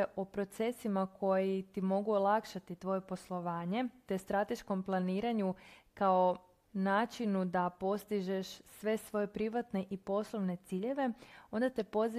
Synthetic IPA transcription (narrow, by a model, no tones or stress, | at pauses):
eʔo̞pɾo̞t̪se̞simakʰo̞jit̪imo̞ɡuolˠakʃat̪it̪ʋo̞je̞po̞slˠo̞ʋaːɲe̞t̪est̪ɾat̪e̞ʃko̞mplˠaniːɾaɲukao̞ | naːt͡ʃinud̪apo̞st̪iʒeʃsʋe̞sʋo̞je̞pɾiʋat̪ne̞ʔipo̞slˠo̞ʋne̞t̪siːʎe̞ʋe̞o̞nd̪at̪e̞po̞z